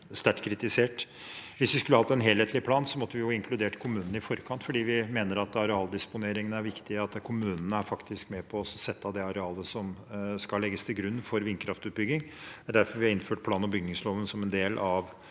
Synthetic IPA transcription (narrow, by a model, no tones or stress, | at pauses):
st̪æʈkʰɾɪt̪ɪseːʈ | ʋɪsʋɪskʉlːəhɑt̪ːɛnɦeːlheːt̪ʰlɪpʰlɑːnsɔmɔt̪ːəʋɪjʊɪŋkʰlʉd̪eːʈkʰʊmʉːnənəɪfɔɾkʰɑnt̪fɔɖiːʋɪmeːnəɾɑt̪ɑɾɛɑːld̪ɪspʊneːɾɪŋənəæɾʋɪkt̪ɪəɑt̪kʰʊmʉːnənəæɾfɑkt̪ɪskmɛpʰɔsɔsɛt̪ʰːɑd̪ɛɑɾɛɑːləsɔmskɑlːɛɡːəst̪ʰɪlɡɾʉnːfɔɾʋɪnkʰɾɑft̪ʉːt̪̚bʏɡɪŋd̪æɖæɾfɔɾʋɪhɑɪnføːʈpʰlɑːnɔmbʏɡnɪŋsloːʋənsɔmɛnd̪eːlʔɑʋ